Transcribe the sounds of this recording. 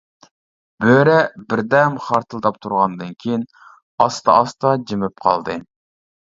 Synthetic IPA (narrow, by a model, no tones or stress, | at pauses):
b̥øɾɛbɪɾd̪ɛmχɑɾt̪ʰɨlˠd̪ɑp̚t̪ʰuɾʁɑnd̪ɨnkʲʰejin | ɑst̪ɑ̰ʔɑst̪ɑd͡ʒemɪp̚qʰɑ̰lˠd̪ɨ